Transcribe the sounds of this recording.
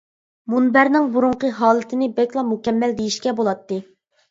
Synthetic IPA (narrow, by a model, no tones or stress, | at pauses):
munbæɾnɪŋbuɾuɴqəɦɑːlˠɨt̪ʰɪnɪbɛkʲlˠɑmukʲɛmːɛld̪ejiʃkʲɛbolˠɑt̪ːɨ